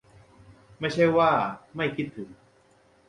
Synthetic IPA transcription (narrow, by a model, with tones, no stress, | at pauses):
ma˥˩jt͡ɕʰa˥˩jwaː˥˩ma˥˩jkʰi˦˥˩t̪ʰːɯ˩˦ŋ